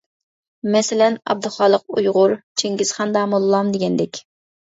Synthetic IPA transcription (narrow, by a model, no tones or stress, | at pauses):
mɛsɪlɛnɑ̰b̚d̪ɨχɑːlˠəq̚ṵjʁʊɾt͡ʃʰeŋɡʲiz̥χɑnd̪ɑːmolˠlˠɑmd̪eɡʲɛnd̪ɛkʲ